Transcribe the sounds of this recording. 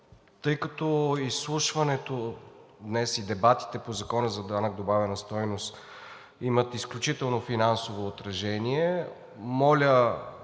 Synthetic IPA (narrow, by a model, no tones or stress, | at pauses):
t̪ɤjkɐt̪ɔislˠuʃvɐnɛt̪od̪nɛsid̪ɛbat̪i̥t̪ɛpozɐkɔnəzɐd̪anɐɡ̚d̪obavɛnɐst̪ɔjnost̪ | imət̪isklʲut͡ʃit̪ɛlˠnofinansovoːt̪ɾɐʒɛniɛ | mɔlʲə